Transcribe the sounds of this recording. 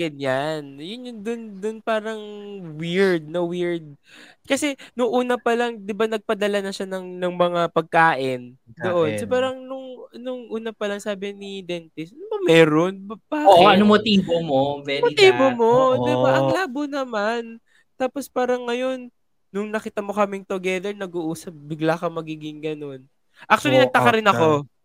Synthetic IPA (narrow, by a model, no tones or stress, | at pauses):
ɡɐɲanjʊnjʊnd̪ʊnd̪ʊnpaːɾɐŋwiɹd̪̚nɐwiɹd̪̚kɐsɛnʊŋʔuːnɐpɐlaŋd̪ɪbanɐɡ̚pɐd̪ɐlanɐʃanɐŋnɐŋmɐŋapɐɡ̚kaːʔɪnd̪oʔonsɐpaːɾɐŋnʊŋnʊŋʔuːnɐpɐlɐŋsaːbɪnɪd̪ɛnt̪ɪsnʊbɐmɛːɾonbɐpaːoʔɐnomot̪iːbomobɛmoiːbomo̞d̪ɪbaʔɐŋlaːbonɐman | t̪aːpo̞spaːɾɐŋːɐjo̞nː | ʊŋnɐkiːt̪ɐmo̞kɐmɪŋt̪ʊɡɛðɛɹnɐɡuʔuːsɐp̚bɪɡlaːkɐmɐɡiːɡɪŋɡɐno̞n | ʔak̚t͡ʃʊɐlinɐɡ̚t̪ɐkɐɾɪnɐko̞